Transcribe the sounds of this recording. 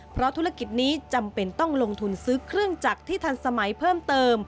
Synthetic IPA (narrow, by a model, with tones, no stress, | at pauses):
pʰɾɔ˦˥t̪ʰu˦˥ɾa˧ki˨˩t̪̚niː˦˥t͡ɕa˧mpe˧nt̪ɔ˥˩ŋlo˧ŋt̪ʰu˧nsɯː˦˥kʰɾɯ˥˩əŋt͡ɕaː˨˩k̚t̪ʰiː˥˩t̪ʰa˧nsa˧ma˩˦jpʰɤː˥˩mt̪ɤː˧m